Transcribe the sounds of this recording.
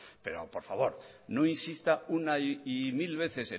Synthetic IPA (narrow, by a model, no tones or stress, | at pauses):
pe̞ɾo̞̰po̞ɾfaβo̞ɾno̞insist̪aunaiimilβ̞e̞θe̞se